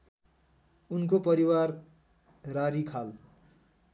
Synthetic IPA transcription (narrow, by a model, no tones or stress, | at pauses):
unkopʌɾiwar | raɾikʰal